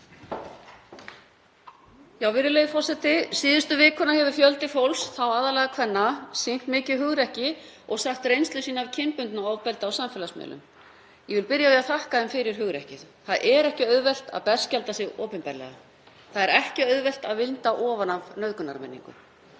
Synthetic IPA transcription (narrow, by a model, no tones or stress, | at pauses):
jawvɪɾɪlejðɪfɔr̥sɛt̪ɪsiːðʏst̪ʏvɪːkʰɔnahɛvʏfjœlt̪ɪfowlsθawaːðalɛːɣakʰvɛnːasejn̥t̪mɪːcɪɦʏɣɾɛhcɪɔɣsaxt̪rejnst̪lʏsiːnaavcʰɪnpʏnt̪naɔvpɛlt̪aaːwsamfɛlasmɛ̰ːlʏ̰m | jɛvɪlpɪɾjajɛaθahkaðɛmfɪɾɪɾ̥hɦʏɣɾɛhcɪð̥ | θaðʔɛɾɛhcɪœɥðvɛl̥t̪a̰ðpɛr̥scɛlt̪asɪɣɔːpɪnpɛɾlɛ̰ɣa̰ | θaðɛɾɛhcɪœɥðvɛl̥t̪a̰ðvɪnt̪aʔɔːvanavnœðkʏna̰ɾmɛ̰nːḭ̃ŋkʏ̰